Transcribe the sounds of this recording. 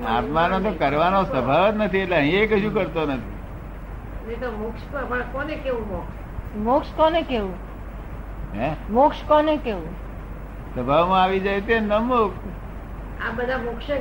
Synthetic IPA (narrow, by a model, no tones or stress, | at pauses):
a̰t̪manõt̪̬okəɾʋanosəbʱaʋt̪nət̪ʰietleə̃ɦĩekəʃũkəɾt̪onət̪ʰḭ | net̪omokʃpəpəɭkɔnekeʋũmɔkʃ | mokʃkɔnekeʋũ | ɦɛ̃mokʃkɔnekeʋũ | səbʱaʋmãaʋid͡ʒajt̪ennəmok | abəd̪ʱamʊkʃə